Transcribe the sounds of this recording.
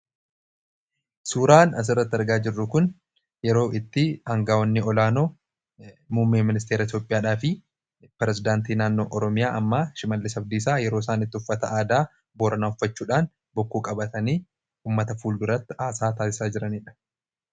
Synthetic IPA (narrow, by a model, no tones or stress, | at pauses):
suːɾaːnɐs̬ɪrːɐt̪ːɪɐɾɡaːd͡ʒɪrːʊkʊn | jɛɾo̞ːʔɪt̪ːɪhɐŋɡaːwɐnːɪɔlaːnoː | mʊmːeːmːɪnɪst̪eːɾɐɪt̪joːpʼɪjaːᶑaːfɪ | pɾɛzɪd̪aːnt̪iːnaːnːo̞̰ːʔɔɾɔmɪjaːʔɐmːaʃɪmɐlːɪsɐb̚d̪iːsaːjɛɾo̞ːsaːnɪt̪ːɪʊfːɐt̪ɐaːd̪aː | boːɾɐnaːʊfːɐt͡ʃːuːᶑaːn | bɔkːuːkʼɐbɐt̪ɐniː | uːmːɐt̪ɐfuːlɡʊrɐt̪ːɪaːsaːt̪aːsɪ̥saːd͡ʒɪɾɐniːᶑɐ̥